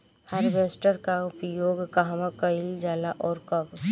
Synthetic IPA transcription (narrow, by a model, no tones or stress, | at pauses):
haɾbeːsʈəɾkaʊpjoːɡkaɦmãkəɪld͡ʒaːlaʔɔːɾkəb